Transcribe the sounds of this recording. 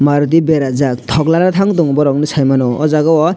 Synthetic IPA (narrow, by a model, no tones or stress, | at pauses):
maɾut̪̬ibeɾazak̚t̪ʰɔɡlaɾat̪ʰaŋt̪uŋbɔɾɔŋnisʰajmanɔʔɔzaɡɔwɔ